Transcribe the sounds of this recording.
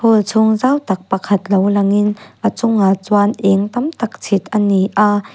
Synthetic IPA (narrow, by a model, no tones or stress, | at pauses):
holt͡sʰʊŋzawt̪ɐk̚pɐkʰɐt̪̚lowlɐŋɪnʔat͡sʊŋat͡swanʔɛŋt̪ɐmt̪ɐk̚t͡sʰit̪̚ʔɐniʔa